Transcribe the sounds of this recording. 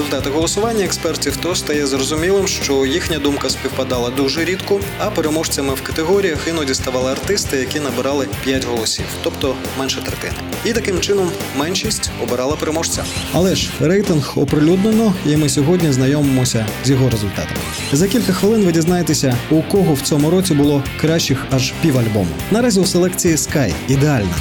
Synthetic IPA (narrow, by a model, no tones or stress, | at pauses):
ezʊlʲt̪ɑt̪ɪɦɔlˠɔsʊʋɑnʲːɐɛkspɛrtʲiwt̪ɔst̪ɐjɛzrɔzʊmʲilˠɪmʃt͡ʃɔjixnʲɐd̪umkɐspʲiwpɐd̪ɑlˠɐd̪uʒɛɾʲit̪kʊɐpeɾemɔʃt͡sʲɐmɪwkɐt̪eɦɔɾʲijɐxɪnɔdʲist̪ɐʋɑlˠɪɐrt̪ɪst̪ɪjɐkʲinɐbɪɾɑlˠɪpʲjatʲɦɔlˠɔsʲḭwt̪ɔpt̪ɔ | mɛnʃɛt̪ɾɛt̪ɪ̰nɪ̰ | it̪ɐkɪmt͡ʃɪnɔmːɛnʃisʲtʲɔbeɾɑlˠɐpeɾemɔʃt͡sʲɐ̰ɐlˠɛʒrɛjt̪ɪnɣɔpɾɪlʲud̪nenɔimɪsʲɔɦɔdʲnʲiznɐjɔmemɔsʲɐzʲjɔɦɔɾezʊlʲt̪ɑ̰t̪ɐ̰mɪ̰ | zɐkʲilʲkɐxʋɪlˠɪnʋɪdʲiznɑjet̪esʲɐukɔɦɔwt͡sʲɔmʊɾɔt͡sʲibʊlˠɔkɾaʃt͡ʃɪxɐʒpʲiwɐlʲbɔ̰mʊ̰nɐɾazʲiwselˠɛkt͡sʲijiskajid̪ealʲnɐ̰